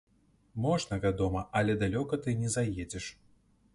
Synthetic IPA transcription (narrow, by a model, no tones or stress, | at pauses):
mɔʐnɐvʲad̪ɔmɐʔɐlʲɛd̪alʲɔkɐt̪ɨnʲɛzajed͡zʲɛʂ